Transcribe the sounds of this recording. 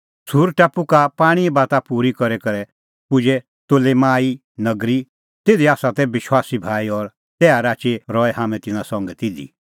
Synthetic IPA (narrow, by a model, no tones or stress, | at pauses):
suːɾʈaːpukapaːɽ̃iɛbaːt̪apuːɾikɔɾɛkɐɾɛ | pʊd͡ʒɛ | t̪oːlemaːi | nɐɡɾi | t̪eːd̪iaːsat̪ɛbɪʃwaːsibʱaːiɔɾ | t̪ɛːaɾaːt͡ʃeɾɔːɛɦaːmɛ̃t̪ɪnãsɔ̃ŋɡɛt̪ɪd̪ḭ